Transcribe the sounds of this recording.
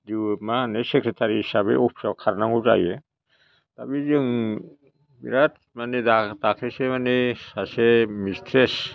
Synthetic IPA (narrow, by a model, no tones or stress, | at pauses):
d̪iwmaanesekɾet̪ʰaɾiɦisabḛupʰsɔkʰːaɾnaŋɡuza̰je | t̪a̰bizɯŋ | biɾat̪ | manedad̪akʰesemanesasemistʰɾes